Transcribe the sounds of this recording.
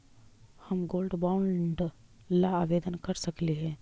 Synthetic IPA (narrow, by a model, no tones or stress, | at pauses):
hɐmɡoːlɖbaʊɳɖ | laaːʋeːd̪ənkɐɾsɐkliɦɛ̃ː